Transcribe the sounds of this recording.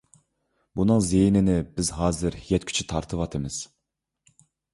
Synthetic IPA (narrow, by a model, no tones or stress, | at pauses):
bunɨŋzejnɪnɪbɪzɦɑːzɪɾjɛt̪̚kʲʰy̥t͡ʃʰyt̪ʰɑɾt̪ʰɨvɑt̪ʰɨmɨz̥